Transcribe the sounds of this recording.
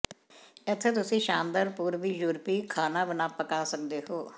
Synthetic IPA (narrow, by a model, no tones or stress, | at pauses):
ɪt̪ʰːeːt̪ʊsĩːʃaːnd̪əɾpuːɾʋiːjuːɾpiːkʰaːnãːbɪnaːpəkaːsək̚d̪eːɦoː